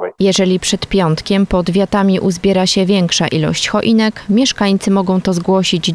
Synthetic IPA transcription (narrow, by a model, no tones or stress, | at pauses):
jɛʐɛlʲipʂɛt̪pʲjɔnt̪kʲɛmpɔd̪vʲjat̪amʲiʔuzbʲjɛɾaɕɛvʲjɛŋkʂaʔilɔ̰ɕt͡ɕxɔʔinɛkmʲjɛʂkaɲt̪sɘmɔɡɔ̃w̃t̪ɔzɡwɔɕid͡ʑ